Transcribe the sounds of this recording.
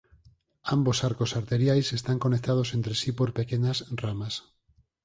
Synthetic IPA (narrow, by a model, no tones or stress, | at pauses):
ambosaɾkosaɾt̪eɾjajse̞st̪aŋko̞nek̚t̪að̞ose̞nt̪ɾesipo̞ɾpekeɲasramas